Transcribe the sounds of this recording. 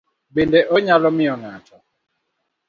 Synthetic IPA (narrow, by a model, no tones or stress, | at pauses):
bendɛʔɔɲalɔmɪɔŋatʰɔ